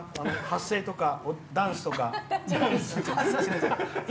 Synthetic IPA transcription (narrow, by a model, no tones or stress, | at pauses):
anohasːe̞ːt̪o̞kaod̪ãɰ̃sɨ̥t̪o̞kad̪ãsd̪ãsɨaɕiet̪oka